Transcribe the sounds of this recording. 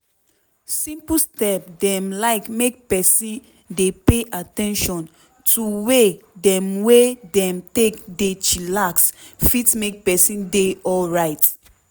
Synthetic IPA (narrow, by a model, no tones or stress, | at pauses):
sĩmpəstɛp̚dɛ̃mlaɪkmek̚pɛsĩn | depeʔatɛ̃nʃɔ̃n | tʰuwedɛ̃mwedɛ̃mtekdet͡ʃilaksfitmek̚pɛsĩndeɔlɹaɪt